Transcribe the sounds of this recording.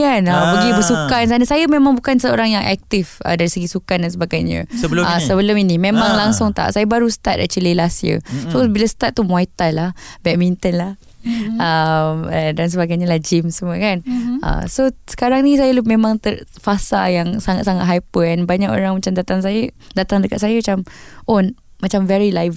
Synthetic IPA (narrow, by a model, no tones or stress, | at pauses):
anabəɡibəsukansanasajəmẽmãŋbukansəoɾaŋjaŋʔɛ̰k̚t̪ifə̰daɾisəɡisukandans̬əbaɡajɲə̰̃sələsəbəlʊminimẽmãŋlaŋsʊŋt̪a̰ʔsajəbaɾusə̥t̪at̪̚da̰t͡ʃəlelasjə̰sobilasə̥t̪at̪̚t̪ːumuajt̪anlahbɛk̚mint̪ənlah | əmədans̬əbaɡajɲalad͡ʒimsəmuəkanʔa̰sosə̥kaɾaŋnis̬ajəlumẽmãŋt̪ə | fasajaŋsaŋat̪̚saŋat̪ɦajpəɛnbaɲako̰ɾaŋmat͡ʃamdat̪aŋs̬ajədat̪aŋdəkat̪̚sajamat͡ʃamʔon | mat͡ʃamvɛɹilajv